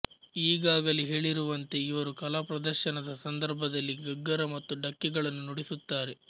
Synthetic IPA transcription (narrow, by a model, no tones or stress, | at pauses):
iːɡaːɡɐliɦe̞ːɭiɾuʋɐnt̪e̞iʋɐɾukɐlaːpɾɐd̪ɐɾʃɐnɐd̪ɐsɐnd̪ɐɾbʱɐd̪ɐlːiɡɐɡːɐɾɐmɐt̪ːuɖɐkːiɡɐɭɐnːunuɽisut̪ːaːɾe̞